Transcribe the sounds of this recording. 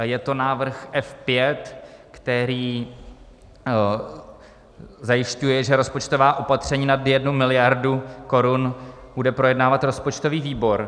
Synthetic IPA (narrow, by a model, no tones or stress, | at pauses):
jɛt̪o̞naːvr̩xʔɛfpjɛt̪kt̪ɛɾiː | zajɪʃcujɛʒɛɾo̞spot͡ʃt̪o̞vaːʔo̞pat̪r̝̥ɛɲiːnad̪jɛdnumɪlɪjaɾduko̞ɾunbudɛpɾo̞jɛdnaːvat̪ɾo̞spo̞t͡ʃt̪o̞viːviːbo̞ɾ